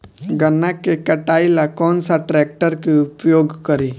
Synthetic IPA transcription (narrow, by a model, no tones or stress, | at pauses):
ɡənːakekɐʈaːilakɔːnsaʈɾɛːk̚ʈəɾkeʊpjoːɡkəɾiː